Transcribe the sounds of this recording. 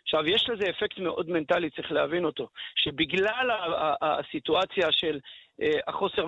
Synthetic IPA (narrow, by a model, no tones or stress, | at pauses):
χʃavjeʃleze̞ːfektme̞ʔo̞dme̞ntalit͡saʁiχlehavino̞to̞ʃebiɡlalaasituat͡sjaʃe̞laχo̞se̞ʁ